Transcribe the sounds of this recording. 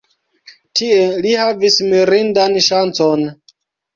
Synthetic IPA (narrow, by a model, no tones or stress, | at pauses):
tielihavismiɾindanʃant͡son